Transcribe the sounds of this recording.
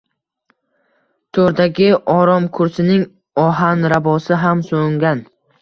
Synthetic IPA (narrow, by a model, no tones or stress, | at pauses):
t̪ʰoɾd̪aɡʲɪɒɾɒmkʰʊɾsɪnɪŋ | ɒɦanɾabɒsɪɦamsoŋɡʲan